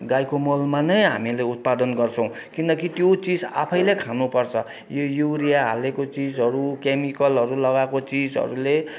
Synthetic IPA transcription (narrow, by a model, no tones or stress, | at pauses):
ɡajkomolmanʌjɦa̰mileut̪̚pad̪ʌnɡʌrt͡sʰʌ̃w̃ | kinʌkit̪jot͡sid͡za̰pʰʌjlekʰanupʌrt͡sʰʌ | jojuɾijaɦa̰lekot͡sid͡zɦʌɾukemikʌlɦʌɾulʌɡakot͡sid͡zɦʌ̰ɾule